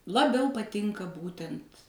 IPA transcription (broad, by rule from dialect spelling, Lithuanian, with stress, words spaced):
lˠɐˈbʲɛʊ pɐˈtʲɪŋkɐ ˈbuːtʲɛnt